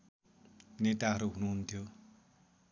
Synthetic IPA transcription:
net̪aɦʌɾuɦunuɦunt̪ʰjo

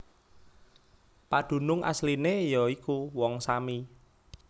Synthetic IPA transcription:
pad̪̥ṳnʊŋʔa̰slinejɔikuwɔŋsami

